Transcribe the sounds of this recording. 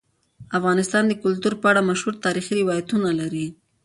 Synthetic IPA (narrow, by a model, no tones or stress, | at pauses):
afɣɑnɪst̪ɑnd̪əkʊlt̪uɾpəaɽamaʃhuɾt̪ɑɾixiɾɪwɑjat̪unalaɾi